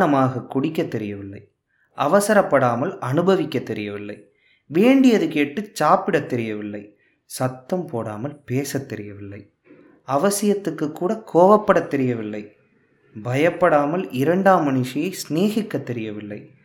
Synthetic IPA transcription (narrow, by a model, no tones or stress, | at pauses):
nɐmaːɣɐkːʊɽɪkːɐt̪ːɛɾɪjɐʋɪlːɐ̰ɪ | ʔɐʋɐsɐɾɐpːɐɽaːmɐlɐnɯbɐʋɪkːɐt̪ːɛɾɪjɐʋɪlːɐɪ | ʋeːɳɖɪjɐðɯkeːʈːɯt͡ʃːaːpːɪɽɐt̪ːɛɾɪjɐʋɪlːɐɪ | sɐt̪ːɐmpoːɽa̰ːmɐlpeːsɐt̪ːɛɾɪjɐʋɪlːɐɪ | ɐʋɐsɪjɐt̪ːɯkːɯkːuːɽɐkʰoːʋɐpːɐɽɐt̪ːɛɾɪjɐʋɪlːɐɪ | bɐjɐpːɐɽaːmɐlɪɾɐɳɖaːmːɐɳɪʂɐjɐɪsneːɣɪkːɐt̪ːɛɾɪjɐʋɪlːɐ̰ɪ